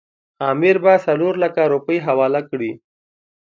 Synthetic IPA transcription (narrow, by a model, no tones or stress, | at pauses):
aːmɪɾbasɐloːɾlakaɾupəjɦawaːlakɽi